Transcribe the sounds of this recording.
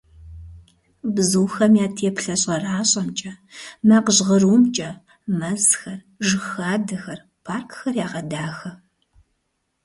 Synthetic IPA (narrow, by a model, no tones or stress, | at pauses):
bzuːxɐmjaːtʰeːpɬɐɕʼɐraːɕʼɐmt͡ʃʼɐmaːqəʑʁɐruːmt͡ʃʼɐ | mɐzxɐr | ʒɨxaːdɐxɐr | pʰaːrkʰxɐrjaːʁɐdaːxɐ